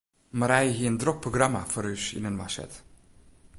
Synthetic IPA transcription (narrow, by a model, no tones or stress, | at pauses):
maɾɛjəɦiəəndrok̚proɡrama̰fɔɾysḭnənwasɛ̰t